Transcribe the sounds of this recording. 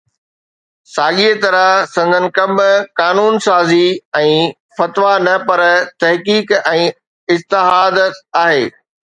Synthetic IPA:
saːɠiet̪ɐɾəɦsɐ̃nd̪ʱənɪ̆kɐmkaːnuːnsaːziɛ̃ː | fɐt̪ʋanɐpɐɾt̪ɐɦkiːkɛ̃ː | ɪst̪ɪɦaːd̪aːɦeː

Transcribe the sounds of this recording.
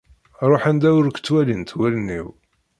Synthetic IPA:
ɾˤoħænd̪æwʊɾkʷt͡sːwælint̪wælənːḭw

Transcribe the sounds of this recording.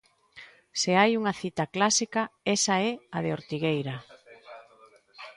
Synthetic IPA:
seajuŋɐθit̪aklasikɐɛsaɛaðeoɾt̪iɣejɾɐ

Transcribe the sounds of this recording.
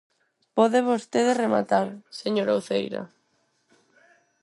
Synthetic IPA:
pɔðeβost̪eðerema̰t̪aɾseɲoɾowθejɾɐ̰

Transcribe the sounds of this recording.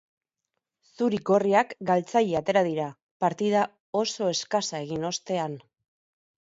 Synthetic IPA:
suɾiko̞riakɡalt͡saʎeat̪e̞ɾað̞iɾa | paɾt̪ið̞a | o̞so̞e̞skasae̞ɣ̞ino̞st̪e̞an

